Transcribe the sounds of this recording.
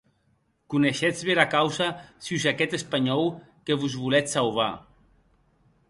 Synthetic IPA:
kuneʃɛd͡zβeɾakawzasiuzakɛt̪espaɲɔw | keβuzβulɛtsalβ̞a̰

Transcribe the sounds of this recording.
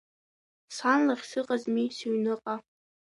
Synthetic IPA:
sanlaχʲsɨqʼazmisuɥnɨqʼa

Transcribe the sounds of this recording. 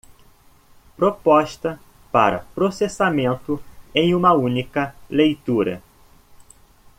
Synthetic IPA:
pɾopɔʃt̪ɐ | pa̰ɾɐ̰pɾosesamẽnt̪ʊẽj̃ũmɐũnikɐlejt̪uɾɐ̰

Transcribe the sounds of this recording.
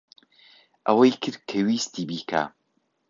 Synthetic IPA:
ʔɐwɐjkʰɨɾkʰɐwist̪iːbikʰa̰ː

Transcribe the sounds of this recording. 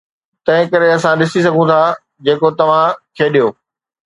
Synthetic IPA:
t̪ɐ̃ɦɪ̃kɐɾeɐsãɗɪsis̬ɐɡʱũt̪ʰaː | d͡ʑeːkot̪ɐʋ̤ãkʰeːɗijoː

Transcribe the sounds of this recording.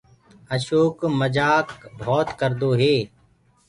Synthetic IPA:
əʃoːkməd͡ʒaːkbʱɔːt̪kəɾd̪oːɦeː

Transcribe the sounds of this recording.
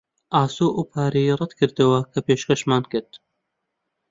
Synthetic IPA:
ʔaːsoːʔuːpʰaːɾejiːrɐd̪kʰɨɾd̪ɨwɐkʰɐpeːʃkɐʃmaːnkɪɾd̪

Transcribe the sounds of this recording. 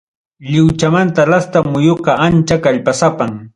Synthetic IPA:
ʎɪwt͡ʃamant̪aɾast̪amʊjoqɑant͡ʃakaʎpasapaŋ

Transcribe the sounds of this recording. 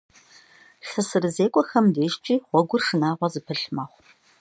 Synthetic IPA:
ɬɨsɨrɨzeːkʷʼɔxɐmdeːʃt͡ʃʼiːχʷɔɡʷʊrʂɨnaːʁʷɔzɨpʰɨɬmaːχʷ

